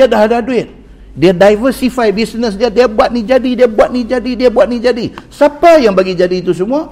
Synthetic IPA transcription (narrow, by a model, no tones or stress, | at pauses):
adaɦadaduɪt̪̚ | diadajvərsifajbisnəs̬diadiabuat̪̚nid͡ʒadidiabuat̪̚nid͡ʒadidiabuat̪̚nid͡ʒadisapajaŋbaɡid͡ʒadiːt̪us̬əmua